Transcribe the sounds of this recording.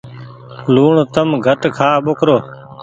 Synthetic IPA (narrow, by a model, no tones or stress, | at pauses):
luːɳt̪əmɡʱəʈkʰaːɓokʰɾoː